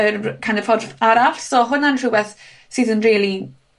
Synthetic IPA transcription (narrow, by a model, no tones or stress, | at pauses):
əkʰandəfɔdvaɾafsɔɦʊnanruwɛθ | sɪðənriːlˠi